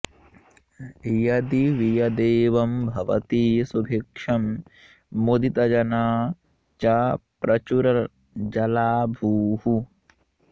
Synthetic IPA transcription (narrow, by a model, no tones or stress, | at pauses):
jɐd̪iʋijɐd̪eːʋɐmbʱɐʋɐ̰t̪iːsubʱikʂɐmː | od̪it̪ɐd͡ʒɐnaː | t͡ʃapɾɐt͡ʃuɾɐ | d͡ʒɐlaːbʱuːhu